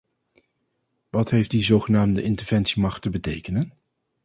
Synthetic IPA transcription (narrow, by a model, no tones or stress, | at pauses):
ʋɑtɦejfdizowχənaːmdəʔɪntəɹv̥ɛnsimɑχtəbətejkənən